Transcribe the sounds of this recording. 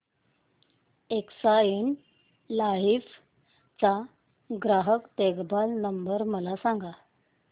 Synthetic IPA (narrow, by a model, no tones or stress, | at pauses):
eksain | laɦif | t͡sa | ɡɾaɦəkt̪eɡbalnəmbəɾməlasaŋɡa